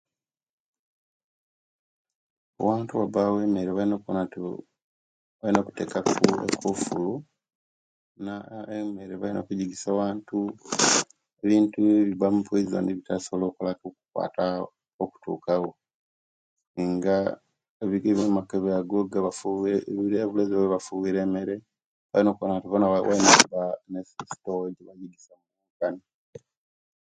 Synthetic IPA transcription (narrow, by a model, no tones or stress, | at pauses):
o̰waːntuwabawe̞ːme̞ɾeβainok | βalino̞ːku̥te̞̰kakuḛkʰofulu | naemeɾeβaino̞̰kuɟiɡisawaːntu | eβiːntueβiβamupwezza̰ndiβitasolo̞ːkulakuku̥kwa̰ːta | oku̥tʰṵːkaɣo | ŋɡa | eβiɡeβemakeβaɡoɡaβafuiɾeβulezoweβafuβiːɾe̞ːme̞ɾe̞ | βa̰jinokuβanatuβonawʔa̰inokubanesisi̥towɟeβaɟiɡisamuuɡani